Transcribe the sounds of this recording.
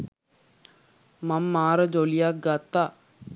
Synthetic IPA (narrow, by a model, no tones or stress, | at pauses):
mamːaːɾəd͡ʒolijak̚ɡat̪ːa